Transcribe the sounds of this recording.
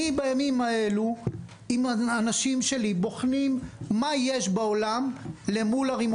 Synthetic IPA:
ibajamimae̞lu | imanaʃimʃe̞libo̞χnimːajeʃbaolamle̞mulaʁim

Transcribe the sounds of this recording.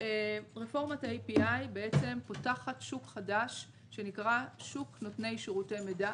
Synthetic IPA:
ʁefo̞ʁmataejpiʔajbe̞e̞t͡se̞mpo̞taχatʃukχadaʃ | ʃe̞nikʁaʃukno̞tne̞jʃeʁutejmeda

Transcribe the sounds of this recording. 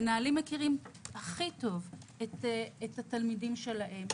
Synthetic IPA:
naalimːekiʁimaχito̞vetethatalmidimʃe̞laɦe̞m

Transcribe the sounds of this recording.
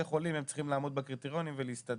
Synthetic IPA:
eχo̞limemt͡si̥χimlaːmo̞d̪̚bakʁit̪iʁo̞nimveleist̪ad̪

